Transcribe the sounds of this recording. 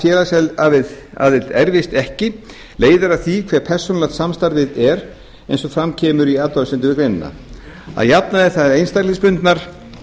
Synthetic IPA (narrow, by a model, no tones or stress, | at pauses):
fjɛːlasɛlavɪða̰ːvɪlt̪ɛɾvɪst̪ɛhcɪ | leːjðaɾaθikʰvɛːɾ̥pʰɛr̥sɔnlat̪samst̪aɾvɪðɛɾ | ejnsɔfɾamcʰɛːmʏɾiaːt̪ɔɾsɛnt̪ɪvɪkɾejnɪna̰ | a̰ðjapnaðɪθaðejnst̪aɾlɪspʏnt̪naɾ̥